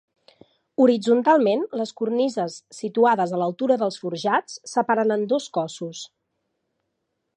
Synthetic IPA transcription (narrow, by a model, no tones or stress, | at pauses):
uɾid͡zunt̪alˠmenləskurnizəsːit̪uaðəzələlˠt̪uɾəðəlˠsfuɾʒat͡sːəpaɾənənd̪oskɔsus